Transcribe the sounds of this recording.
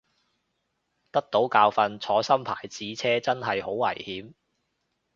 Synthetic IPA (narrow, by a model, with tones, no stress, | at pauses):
t̪ɐ˥k̚t̪o˨˥wkaː˧wfɐ˧nt͡sʰɔː˨˧sɐ˥mpʰa̰ː˨˩jt͡siː˨˥t͡sʰɛː˥t͡sɐ˥nɦɐ˨jho˨˥wːɐ̰˨˩jhiː˨˥m